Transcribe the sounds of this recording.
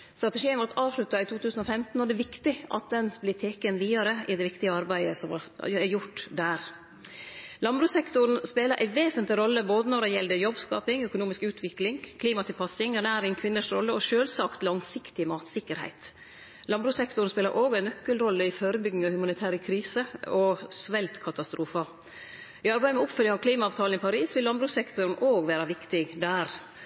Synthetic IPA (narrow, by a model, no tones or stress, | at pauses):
st̪ɾɑt̪ɛʂiːənʋɔʈɑːʋʂɭʉt̪ːɑɪt̪ʰuːt̪ʰʉːsn̩ɔfɛmt̪n̩ɔd̪ɛʋɪkt̪ɪʔɑ̰t̪̚d̪ɛnblɪt̪ʰeːkənʋiːɑɾəʔɪd̪ɛʋɪkt̪ɪəɑɾbæɪəsɔmɑɛjʊʈːd̪æːɾ | lɑmbɾʉːsɛkt̪ʊɾn̩speːləɾʔæ̰ɪʋeːsənt̪lɪɾɔlːəboːd̪ənɔɖɛjɛld̪əjɔbskɑ̰ːpɪŋœkʊnuːmɪskʉːt̪ʰʋɪklɪŋkʰliːmɑt̪ʰɪlpʰɑsɪŋɛnæːɾɪŋkʰʋɪnːəʂɾɔlːəɔʃøːlsɑkt̪lɑŋsɪkt̪ɪmɑːt̪sɪkːəɾhæ̰ɪt̪ | lɑnbɾʉːsɛkt̪ʊɾn̩speːləɾʔoːɡæɪnœkːəlɾɔlːəɪfoːɾəbʏɡnɪŋɑhʉmɑnɪt̪ʰæːɾəkʰɾiːsəɔsʋɛlt̪kʰɑt̪ɑst̪ɾuːfɑ | ɪɑɾbæɪəmɛʊpfœljɪŋɔkʰliːmɑɑːʋt̪ʰɑːln̩ɪpʰɑɾiːsʋɪlɑnbɾʉsɛkt̪ʊɾn̩ʔoːɡʋæːɾɑʋɪkt̪ɪɡd̪æːɾ